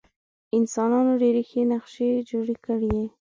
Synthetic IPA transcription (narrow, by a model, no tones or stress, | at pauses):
ɪnsɑnɑnoɖeɾexenaqʃed͡ʒoɽekəɽje